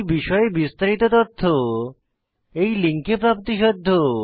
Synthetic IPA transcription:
biʃɔebist̪aɾit̪ot̪ot̪ʰːo | ejliŋkepɾapt̪iʃod̪ʱːo

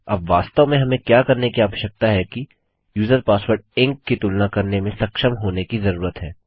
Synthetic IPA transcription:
ɐbʋaːst̪əmẽɦɐmẽkjaːkɐɾnekiaːʋəʃək̚t̪aɦɛki | juːzəɾpaːsʋəɾɖɪ̃ŋkːit̪ulnakɐɾnemẽsɐkʃəmɦoːnekizɐɾuːɾət̪ɦɛː

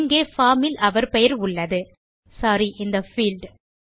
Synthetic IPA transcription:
ŋɡeːfaːmɪlɐʋɐɾpɛjɐɾʊɭːɐðɯ | saːɾiʔɪnd̪ɐfiːlɖ

